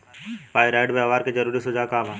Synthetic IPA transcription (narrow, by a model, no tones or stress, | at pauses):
paːjɾaːɪɖbaʋaːɾked͡ʒɐɾuːɾisʊd͡ʒaːkaːbaː